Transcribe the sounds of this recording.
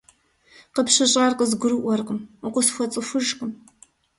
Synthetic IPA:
qəpɕɨɕʼarqəzɡʷʊɾɨʔʷɔrqəmʊqʷʊsxʷɔt͡sʼɨfʷɨʒqəm

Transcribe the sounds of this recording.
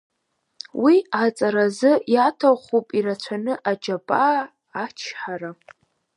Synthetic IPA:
wiat͡sʼaɾazɨjatʰawχʷupʼirat͡ɕʷʰanɨʔad͡ʒabʼaː | t͡ʃʰħaɾa

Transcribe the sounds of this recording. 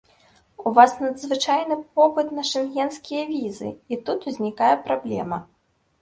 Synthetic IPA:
uvasnɐd̪zvɨt͡ʂajnɨp̚ɔpɨt̪nɐʂɨnɣʲɛnskʲijɐvʲizɨ̰it̪ut̪uzʲnʲikajɛpɾablʲɛ̰mɐ

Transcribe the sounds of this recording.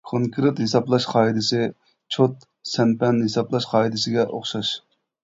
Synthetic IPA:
kʰoŋkʰɾɨt̪hesɑplˠɑʃqʰɑːid̪ɪsɪ | t͡ʃʰot̪ | sɛnpɛnhesɑplˠɑʃqʰɑːid̪ɪsɪɡʲɛʔoχʃɑʃ

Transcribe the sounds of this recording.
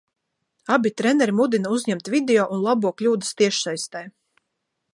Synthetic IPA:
abit̪ɾɛnɛɾimud̪inauzʲɲɛmt̪vʲid̪eɔːʔunlˠabuɔklʲuːd̪əst̪iɛʃsajst̪ɛj

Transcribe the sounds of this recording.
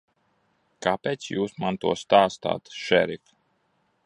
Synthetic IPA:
kapeːt̪sjuːsmant̪uɔst̪aːst̪a̰ːt̪ʃɛɾifʲ

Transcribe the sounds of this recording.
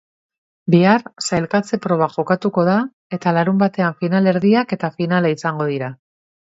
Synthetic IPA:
biarsajlkat͡se̞pɾo̞β̞aʝo̞kat̪uko̞ða | e̞t̪alaɾumbat̪e̞aɱfinale̞ɾðiake̞t̪afinalaisaŋɡo̞ð̞iɾa

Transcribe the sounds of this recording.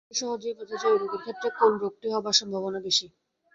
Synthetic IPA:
ʃɔɦod͡ʑekɔt̪ʰat͡ɕaiuɾokikʰːet̪ːɾekonɾok̚ʈ̪iɦɔbaʃɔmbʱabonabeʃi

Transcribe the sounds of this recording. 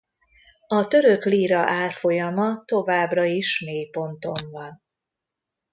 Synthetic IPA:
ɒt̪ø̞ɾø̞kliːɾɒʔaːrfo̞jɒmɒt̪o̞vaːbrɒiʃmeːjpo̞nt̪o̞ɱvɒn

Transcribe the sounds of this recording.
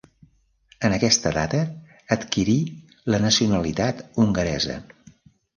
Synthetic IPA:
ənəkɛst̪əðat̪əː | t̪kiɾi | lənəsiunəlit̪at̪uŋɡəɾɛzə̰

